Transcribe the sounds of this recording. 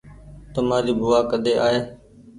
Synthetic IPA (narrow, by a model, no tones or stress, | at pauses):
t̪əmãːɾiːbʊaːkəɗ̪eːʔaːɦeː